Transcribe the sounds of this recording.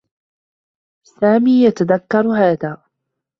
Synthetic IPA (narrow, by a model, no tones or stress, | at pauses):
saːmiːjat̪aðakːɑɾˤɦaːðaː